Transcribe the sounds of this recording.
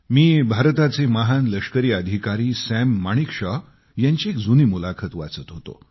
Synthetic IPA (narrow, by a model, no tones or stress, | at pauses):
miːbʱaɾt̪at͡seməɦanləkʂkəɾiːəd̪ʱikaɾiːsæmːaɽ̃ikʂə | jãɲt͡ɕiekd͡zuniːmulakʰət̪ʋa̰t͡sət̪ɦot̪o̰